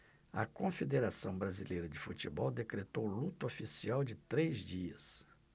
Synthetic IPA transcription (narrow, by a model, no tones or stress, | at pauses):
ɐ̰kõfed̪eɾasɐ̃w̃bɾazilejɾɐd͡ʒɪfut͡ʃibɔwd̪ekɾet̪owlut̪ofisiawd͡ʒɪt̪ɾezd͡ʒiɐs